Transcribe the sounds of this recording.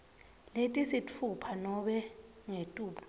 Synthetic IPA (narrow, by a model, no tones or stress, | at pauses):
letʼisit͡fʰupʰanɔɓɛ | ŋetʼuːɓu